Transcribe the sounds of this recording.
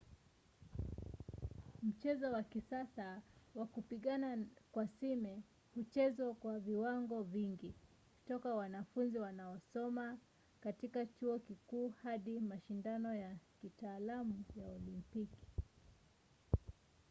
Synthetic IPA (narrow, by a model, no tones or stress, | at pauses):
m̩t͡ʃɛzɔwakisasawakupiɠanakwasimɛ | hut͡ʃɛzwakwaviwaŋɡɔviŋɡi | ku̥tɔkawanafunziwanaɔsɔma | katikat͡ʃuɔkikuːhaɗimaʃindanɔjakitaːlamujaɔlimpiki̥